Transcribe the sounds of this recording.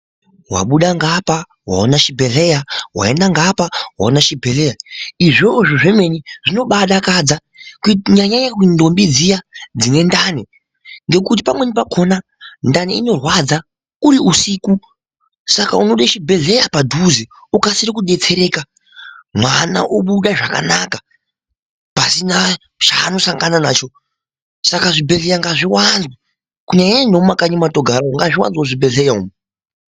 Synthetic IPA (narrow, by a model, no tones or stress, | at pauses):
wa̰ɓuɗaŋɡapa | ɦwa̰onaʃibʱe̞ɮe̞jawa̰endaŋɡapawa̰onaʃibʱele̞jaiʐoʐoʐeme̞niʐino̞ɓaɗakad͡za | kɲaɲaɲakindo̞mbid͡zijad͡zine̞ndani | ŋɡe̞kut̬i̥pamwe̞nip̬akʰo̞na | ndaniino̞rwad͡za | kuɾiusiːku | sakaunoɗaʃibʱe̞ɮe̞japadʱuziukasiɾikuɗe̞t͡se̞ɾe̞ka | mwana̰ʔoɓuɗaʐaka̰nakḁ | pasina | t͡ʃa̰no̞saŋɡananaːt͡ʃo̞ | sakaʐibʱe̞ɮejaŋɡaʐiwanzwa | kuɲaɲanomakaɲimatoɡʱaɾaŋɡaʐiwa̰nzwoʐibe̞ɮejaumu